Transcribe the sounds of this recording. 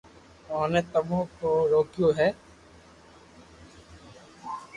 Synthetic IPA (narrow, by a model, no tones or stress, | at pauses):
onet̪ɐbõkoɾoːkijoɦɛː